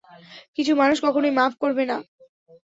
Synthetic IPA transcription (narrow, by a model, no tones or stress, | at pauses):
kit͡ɕʰumanuʃkɔkʰonojmapkoɾbena